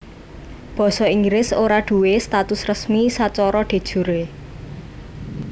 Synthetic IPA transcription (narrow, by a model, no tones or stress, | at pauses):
b̥ɔ̤sɔiŋɡɾɪsoɾaɖ̪̥ṳwest̪at̪ʊsrəsmisat͡ʃɔɾɔɖ̪̥e̤d̥ʒ̥ṳɾe